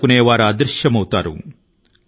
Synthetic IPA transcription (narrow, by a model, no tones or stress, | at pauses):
kuneːʋaːɾɐaːd̪ɾʂjɐmɐwut̪a̰ːɾṵ